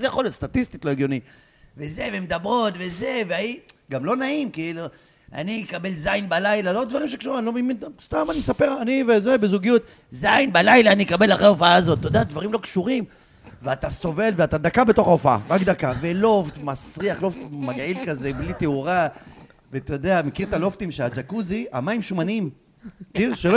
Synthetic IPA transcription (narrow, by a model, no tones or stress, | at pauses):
zejaχoljot̪st̪atist̪it̪loeɡjo̞ni | veze̞vemed̪abʁo̞t̪ve̞ze̞veaiɡamlo̞naimkiilu | a̰nikabe̞lzajinbalajlalodd̪vaʁimʃekʃuimnlommidst̪amanimesape̞ʁanivezebezuɡijut̪ | zajnbalajlaːnikabe̞laχʁeaofaaːzo̞t̪ːod̪ad̪vaʁimlo̞kʃuʁim | veat̪aso̞ve̞lveat̪ad̪akabe̞t̪o̞χaofaa̰ʁakd̪akave̞lo̞ft̪masʁiaχlo̞ft̪maɡilkaze̞blit̪euʁa | vet̪od̪e̞amekiʁt̪alo̞ft̪imʃead͡ʒakuzia̰maimʃumanim | kiʃelo